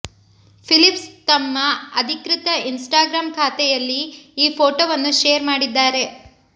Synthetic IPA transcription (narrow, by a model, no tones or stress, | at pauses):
pʰilipst̪ɐmːɐɐd̪ʱikɾit̪ɐinsʈaːɡɾaːmkʰaːt̪ɛjɐlːiːpʰoːʈoːʋɐnːuʃejɐɾmaːɽid̪ːaːɾe̞